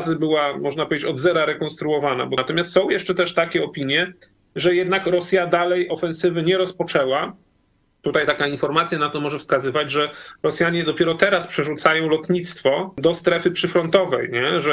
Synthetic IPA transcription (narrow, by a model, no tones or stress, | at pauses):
zɘbɘwamɔʐnapɔvʲjʲed͡ʑet͡ɕɔd̪zɛɾaɾɛkɔ̃nst̪ɾuɔvana̰bɔt̪ɔmʲjast̪sɔ̃w̃jɛʂt͡ʂɛt̪ɛʂt̪akʲɛɔpʲiɲjɛ | ʐɛjɛd̪nakɾɔsʲjad̪alɛjʔɔfɛnsɘvɘɲɛɾɔspɔt͡ʂɛwa | t̪ut̪ajt̪akainfɔɾmat̪sʲjanat̪ɔmɔʐɛfskazɘvad͡ʑʐɛɾɔsʲjaɲɛd̪ɔpʲjɛɾɔt̪ɛɾaspʂɛʐut̪sajɔ̃w̃lɔt̪ɲit̪st̪fɔd̪ɔst̪ɾɛfɘpʂɘfɾɔnt̪ɔvɛjɲɛʐɛ